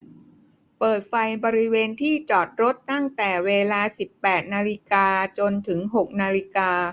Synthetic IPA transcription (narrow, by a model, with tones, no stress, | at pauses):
pɤː˨˩t̪̚fa˧jbɔː˧ɾi˦˥weː˧nt̪ʰiː˥˩t͡ɕɔː˨˩t̪̚ɾo˦˥t̪ːa˥˩ŋt̪ɛː˨˩weː˧laː˧si˨˩pːɛː˨˩t̪̚naː˧li˦˥kaː˧t͡ɕo˧nt̪ʰɯ˩˦ŋɦo˨˩k̚naː˧li˦˥kaː˧